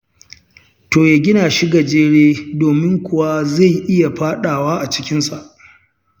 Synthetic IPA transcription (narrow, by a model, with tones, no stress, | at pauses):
toː˨jaː˨ɡʲɪ˦naː˨ʃi˦ɡɐ˨d͡ʒeː˦ɽeː˦doː˨mɪ˦ŋkʷʊ˨wa˦za˦˨jʔɪ˦ja˨ɸaː˦ɗaː˨waː˦ʔa˨t͡ʃɪ̥˦kʲɪ˦nsa˨ʔ